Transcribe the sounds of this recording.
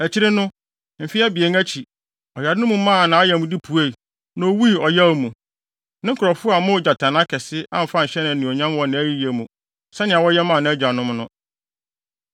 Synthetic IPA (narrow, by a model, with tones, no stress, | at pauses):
æ˨t͡ɕʰi˦ɾɪ˦nʊ̃˦ | m̩˨fi˦æ˦bi˨e˨˦ŋ˦æ˦t͡ɕʰi˨ | ɔ˨ja˨dɪ˦nʊ̃˦mũ˨mã˦˨nã˨˦a˦jɛ˨mũ˨di˦pʰu˨e˦˨ | nɔ̃˦wi˦˨ɔ˨ja˦wmũ˨ | nɪ̃˦ŋ̩˦kʰʊ˨ɾɔ˨fʊ˦a˨mʊ̃˦˨d͡ʑa˨tʰã˨nã˦kʰɛ˨sɪ˦ã̰˦m̩˨fã˦˨ɕɛ˦nã˨nĩ˨ɔ˨ɲã˦m˦wɔ̃˨nã˨˦æ˦ji˦je˨mũ˨ | sɛ˦nɪ̃˨a˨wɔ˦jɛ˦mã˦˨nã˨˦d͡ʑᶣa˨nʊ̃˦mnʊ̃˦